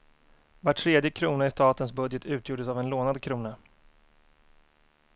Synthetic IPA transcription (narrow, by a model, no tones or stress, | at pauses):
vaʈʰːɾeːd̪jəkʰɾuːnaɪst̪ɑːt̪ənsbɵd̪jət̪ʰʉ̟ːt̪ʰjuːɖəsavɛnloːnad̪kʰɾuːna